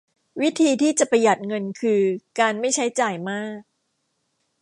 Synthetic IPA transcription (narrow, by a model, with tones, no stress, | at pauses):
wi˦˥t̪ʰiː˧t̪ʰiː˥˩t͡ɕa˨˩pa˧ja˨˩t̪̚ŋɤ˧nkʰɯː˧kaː˧nma˥˩jt͡ɕʰa˦˥jt͡ɕaː˨˩jmaː˥˩k̚